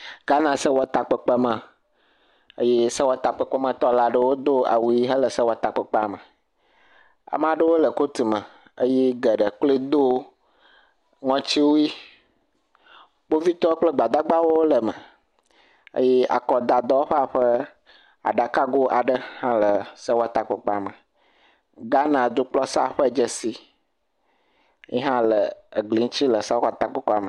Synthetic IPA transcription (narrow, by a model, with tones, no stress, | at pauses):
ɡ̥a˦nã˨sə˦wɔ˨t̪a˨k͡pə˨k͡pə˦mã˨ | ə̰˦je˦sə˦wɔ˦t̪a˨k͡pə˨k͡pə˦mə̃˨t̪ɔ˦la˨ɖə˦wo˦d̪o˦a̰˨wu˨˦i˦ɦə˦lə˨sə˦wɔ˨t̪a˨k͡pə˨k͡pa̰˨mə˨ | a̰˨mã˦ɖə˦wo˦lə˨ko˦t̪i˨mə̃˨ | ə˦je˦ɡə˨ɖə˨k͡ple˦d̪o˦ | ŋɔ̃˦t͡ɕi˦wo˦ji˦ | k͡po˦vi˦t̪ɔ˦k͡plə˦ɡ͡ba˨d̪a˦ɡ͡ba˦wo˦wo˦lə˨mə̰̃˨ | ə̰˦jɛ˦ʔa̰˨kɔ˨d̪a˨d̪ɔ˦wo˦ɸa˨ɸə˦ | a̰˨ɖa˨ka˦ɡo˦ʔa˨ɖə˦hã˦lə˨sa˦wo˦a˨t̪a˦k͡pɔ˨k͡pɔ˦a˨mə˨ | ɡa˦nã˨d̪o˦k͡plɔ˦sa̰˦ɸə˦˨d͡ʒə˦si˦ | jɛ˦ɦã˦lə˨ɡli˨˦ŋ˦t͡ɕi˦lə˨sa˦wo˦a˨t̪a˦k͡pɔ˦k͡pɔ˦a˨mə˨